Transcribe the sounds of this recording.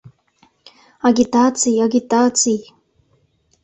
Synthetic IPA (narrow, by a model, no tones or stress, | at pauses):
aɡʲit̪aːt͡sijaɡʲit̪aːt͡sij